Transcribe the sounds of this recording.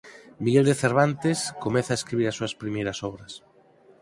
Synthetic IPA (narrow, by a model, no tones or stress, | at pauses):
miɣeld̪eθeɾβ̞ant̪eskomeθaeskɾiβiɾasːuɐspɾimejɾɐsɔβɾɐs